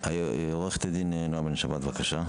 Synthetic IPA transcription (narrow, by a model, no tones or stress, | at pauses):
ajoʁeχt̪ad̪innoabenʃabat̪vakaʃa